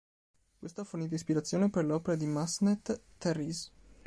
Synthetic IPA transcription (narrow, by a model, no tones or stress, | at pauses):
kwest̪oaforniːt̪oispiɾat̪sːjoːneperleɔːpeɾad̪imasnet̪ː | ɛrːis